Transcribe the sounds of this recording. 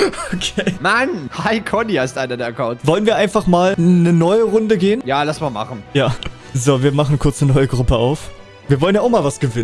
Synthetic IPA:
okʰeːmanhaɪkʰɔnihaɪstʔaɪnɐdɛːɐɐkʰaʊntvɔlənviːɐʔaɪnfaχmaːlnənɔʏəʁʊndəɡeːənjaːlasmaːma̰χn̩jaː | zoːviːɐmaχn̩kʰʊɐt͡sənɔʏəɡʁʊpəaʊf | viːɐvɔlənjaːaʊχmaːlvasɡ̥əvɪnə

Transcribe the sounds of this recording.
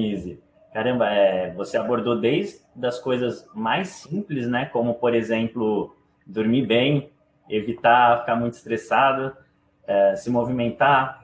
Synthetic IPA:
izɪ | kaɾɐ̃mbɐɛvoseaboɾd̪od̪ejzd̪ɐskojzɐzmajsĩplɪznɛkõmʊpoɾezẽmplʊ | d̪oɾmibẽj̃ | evit̪afi̥kamũj̃t̪ʊ̥ist̪ɾesad̪ʊ | ɛsɪmovimẽnt̪a

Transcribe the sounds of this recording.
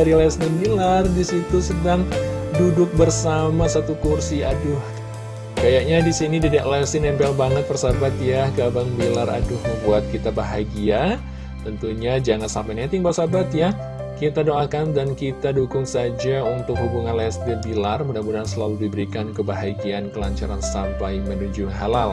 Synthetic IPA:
aɾilɛsdənbilardisit̪usədaŋdudʊk̚bərsamasat̪ukursiadʊh | kajakɲadisinididaʔlɛsinɛmbɛlbanət̪̚pərsabat̪jaɡabaŋbilara̰dʊhməmbuat̪̚kit̪abaɦaɡia | t̪ənt̪uɲad͡ʒaŋansampajnet̪ɪŋpərsabat̪ja | kit̪adoʔakandankit̪adukʊŋsad͡ʒaunt̪ʊkɦubuŋanlɛsdəbilarmudabudansəlaludibəɾikankəbaɦaɡiankəlaɲt͡ʃaɾansampajmənud͡ʒʊɦalal

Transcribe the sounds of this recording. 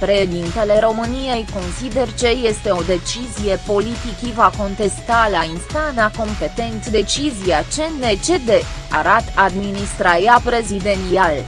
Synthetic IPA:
pɾe̞ʃed̪int̪e̞le̞ɾo̞mɨnije̞jko̞nsid̪e̞rt͡ʃe̞je̞st̪e̞o̞d̪e̞t͡ʃizije̞po̞lit̪ikivako̞nt̪e̞st̪alainst̪anako̞mpe̞t̪e̞nt̪d̪e̞t͡ʃiziat͡ʃe̞ne̞t͡ʃe̞d̪eaɾat̪ad̪minist̪ɾaɾjapɾe̞zid̪e̞nt̪ial

